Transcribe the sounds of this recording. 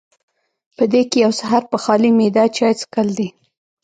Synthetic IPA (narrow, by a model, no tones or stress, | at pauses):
pəd̪ekejawsaɦɑɾpəxɑlimed̪ɑt͡ʃɑjt͡skəld̪i